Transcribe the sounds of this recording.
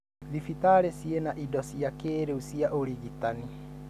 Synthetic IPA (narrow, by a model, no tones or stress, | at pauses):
ðifitaɾesienaʔidɔsiakeːɾeusiaʔoɾiɣitani